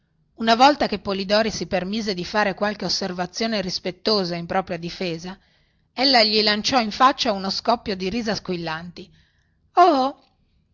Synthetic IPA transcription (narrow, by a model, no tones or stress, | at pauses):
unavɔlt̪akepːolid̪ɔːɾisipermiːzed̪ifaːɾekwalkeosːervat̪sːjoːneɾispet̪ːoːzaimpɾɔːpɾjad̪ifeːza | elːaʎilant͡ʃɔiɱfat͡ʃːaunoskɔpːjod̪iɾiːzaskwilːant̪i | ɔ